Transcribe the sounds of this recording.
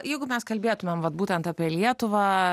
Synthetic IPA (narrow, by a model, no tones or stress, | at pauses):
jɛɪɡʊmʲɛskɐlʲbʲeːt̪ʊmʲɛmʋɐt̪̚buːt̪ʲɛnt̪ɑpʲiɛlʲiɛt̪ʊʋaː